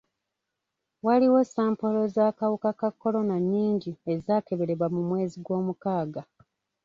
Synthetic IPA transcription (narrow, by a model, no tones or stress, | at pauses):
waliwe̞saːmpo̞lo̞zaːkawukakakːo̞lo̞naɲːiːɲɟie̞zaːke̞βe̞ɾe̞βamumwe̞ːziɡwo̞ːmukaːɡa